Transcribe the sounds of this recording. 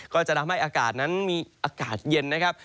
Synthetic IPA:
kɔː˥˩t͡ɕa˨˩t̪ʰa˧mha˥˩jʔaː˧kaː˨˩t̪̚na˦˥nmiː˧ʔaː˧kaː˨˩t̪̚je˧nːa˦˥kʰa˦˥p̚

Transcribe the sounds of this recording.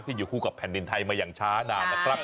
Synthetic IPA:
k̚t̪ʰiː˥˩uː˨˩kʰuː˥˩ka˨˩pʰɛ˨˩˦ndi˧nt̪ʰa˧jmaː˧jaː˨˩ŋt͡ɕʰaː˦˥naː˧˩wlɛ˧˥kʰɾa˦˥˩p̚

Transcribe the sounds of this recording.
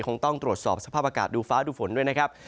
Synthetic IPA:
kʰo˧ŋt̪ɔ˥˩ŋt̪ɾu˨˩ət̪̚sɔː˨˩p̚sa˧pʰaː˥˩p̚ʔaː˧kaː˨˩t̪̚duː˧faː˦˥duː˧fo˨˩˦ndu˥˩əjna˥kʰa˦˥p̚

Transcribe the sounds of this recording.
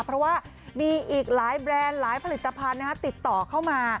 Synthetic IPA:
pʰɾɔ˦˥waː˥˩ | miː˧ʔiː˨˩k̚laː˩˦jbɾɛː˧nlaː˩˦jpʰa˧li˨˩t̪ːa˧pʰa˧nːa˦˥kʰa˦˥t̪i˨˩t̪ːɔː˨˩kʰa˥˩wmaː˧

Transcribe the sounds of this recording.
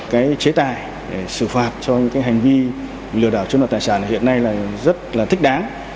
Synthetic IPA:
kaː˨˦jt͡ɕe˨˦t̪aː˧˨j | ɗe˧˩sɨ˧˩faː˨˩t̚t͡ɕɔ˧ɲɨ̰˧˥ŋkaː˨˦jɦa˨˩jŋ̟vi˧ | lɨ˧˩əɗaː˧˩wt͡ɕu˧nvaː˨˩t̪aː˨˩saː˧˩na˨˩hḭ˧˨ənːa˧jlaː˨˩zə˦˥t̚laː˨˩t̪ʰï˦˥k̚ɗaː˨˦ŋ

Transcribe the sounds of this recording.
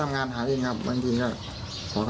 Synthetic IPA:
a˧mŋaː˧nɦaː˩˦je˧˩ŋkʰa˦˥˩p̚ba̰ː˧ŋt̪ʰiː˧kɔː˥˩ | kʰɔː˨˩˦kʰ

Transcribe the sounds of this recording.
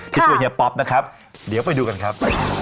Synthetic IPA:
k̪̚ʰt͡ɕu˧ŋni˧˩pɔ˦˥p̚na˦˥kʰa˦˥p̚ | di˩˦wpa˧jduː˧ka˧nkʰa˦˥p̚

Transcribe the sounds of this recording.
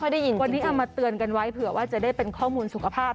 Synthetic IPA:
ɔ˥˩jda˥˩ji˧wa˧nːiː˦˥ʔa˨˧˩wmaː˧t̪ɯ˧ənka˧nwa˦˥jpʰɯ˩˦ɐwaː˥˩t͡ɕa˨˩ʔdaː˥˩jpe˧nkʰɔː˥˩muː˧nsu˨˩kʰa˧pʰaː˥˩p̚

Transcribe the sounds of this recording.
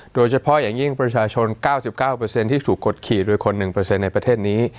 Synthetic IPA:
doː˧jt͡ɕʰa˧pʰɔ˦˥ʔjaː˨˩ŋji˥˩ŋpɾa˧t͡ɕʰaː˧t͡ɕʰo˧nkaː˥˩wsi˨˩p̚kaː˥˩wpɤː˧se˧nt̪ʰiː˥˩t̪ʰuː˨˩kːo˨˩t̪̚kʰiː˨˩t̪̚doː˧jkʰo˧nːɯ˨˩ŋpɤ˧se˧nːa˧jpɾa˧t̪ʰeː˥˩t̪̚niː˦˥

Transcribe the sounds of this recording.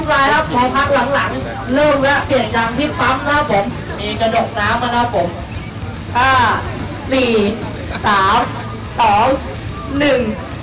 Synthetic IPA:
laː˧jla˦˥˩p̚mɔː˧pʰa˦˥k̚la˩˦ŋla˩˦ŋ | lɤː˥˩mka˦˥˩pi˨˩ənjaː˧ŋt̪ʰiː˥˩pʰa˦˥mla˦˥˩pʰo˨˩˦m | miː˧ka˧doː˨˩k̚naː˦˥mʔa˧na˦˥pʰo˩˦m | ʔaː˧˩ | siː˨˩ | saː˩˦m | sɔː˩˦ŋ | nɯ˨˩ŋ

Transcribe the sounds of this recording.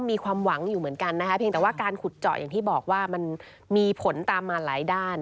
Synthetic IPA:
miː˧kʰwaː˧mwa˩˦ŋjuː˨˩mɯ˩˦ənka˧nːa˦˥kʰa˦˥pʰi˧ŋt̪ɛː˨˩waː˥˩kaː˧nkʰu˨˩t̪̚t͡ɕɔ̰˨˩ʔjaː˨˩ŋt̪ʰiː˥˩bɔː˨˩k̚waː˥˩ma˧n | miː˧pʰo˩˦nt̪aː˧mːaː˧nlaː˩˦jdaː˥˩n

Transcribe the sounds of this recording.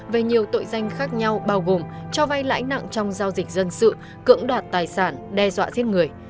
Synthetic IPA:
ve˨˩ɲi˨˩əwt̪o̰˧˨jza˧jŋ̟xaː˦˥k̚ɲa˧wɓaː˧wɣo˨˩mt͡ɕɔ˧va˧jla̰ː˧˥jna̰˧˨ŋt͡ɕɔ˧wŋ͡mzaː˧wzï˨˩k̟̚zə˧nsɨ̰˧˨ | kɨ̰˧˥əŋɗwaː˨˩t̚t̪aː˨˩jsaː˧˩nɗɛ˧zwa̰ː˧˨zi˦˥t̚ŋɨ˨˩əj

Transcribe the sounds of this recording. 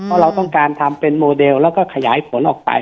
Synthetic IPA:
pʰɔː˦˥ɾa˧wt̪ɔ˥˩ŋkaː˧nt̪ʰa˧mpe˧nmoː˧de˧wlɛː˦˥˩wkɔː˥˩kʰa˧jaː˩˦jpʰo˩˦nʔɔː˨˩k̚pa̰˧j

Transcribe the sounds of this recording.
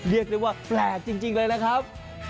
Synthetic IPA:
ɾi˥˩ək̚lɯː˧waː˥˩plɛː˨˩k̚t͡ɕi˧ŋt͡ɕi˧ŋlɤː˧jna˦˥kʰa˦˥p̚

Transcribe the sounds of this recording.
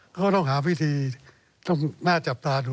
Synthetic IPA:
kʰa˦˥˩t̪ɔ˥˩ŋɦaː˩˦wi˦˥˨t̪ʰiː˧ | t̪ɔ˥˩ŋnaː˥˩t͡ɕa˨˩p̚t̪aː˧duː˧

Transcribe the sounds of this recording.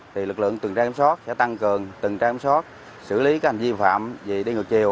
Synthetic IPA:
t̪ʰi˨˩lɨ˨˩k̚lɨ̰˧˨əŋt̪wɨ˨˩ŋ˩t͡ɕaː˧˨˦m˦sɔ˦˥t̚sɛ̰˧˥t̪a˧ŋkɨ˨˩əŋt̪ɨ˨˩ŋt͡ɕaː˧kːmsɔ˦˥t̚ | sɨ̰˧˥li˨˦ka˧˨˥kha˨˩ŋzi˧fa̰ː˧˨mzi˨˩ɗi˧ŋɨ˨˩ək̚t͡ɕi˨˩əw

